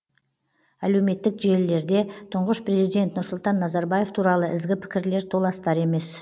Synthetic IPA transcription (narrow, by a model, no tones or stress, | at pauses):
æle̞wme̞t̪ːɪkʒe̞lːe̞ɾd̪e̞t̪ʰʊɴʁəʃpɾe̞zijd̪e̞nt̪nʊɾsʊlˠt̪ɑnːɑzɑɾbɑje̞ft̪ʰuɾɑlˠəʔɪzɡʲɪpʰɪ̥kʲɪɾle̞ɾt̪ʰo̞lˠɑst̪ɑɾe̞me̞s